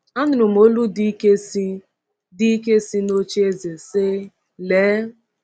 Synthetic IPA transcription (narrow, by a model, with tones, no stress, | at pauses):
a˦nʊ˨ɾʊ˨m̩˨o˦lu˦di˦ke˦si˦ | di˦i˦ke˦si˦no˦t͡ʃe˦e˦ze˨se˦ | leː˨˦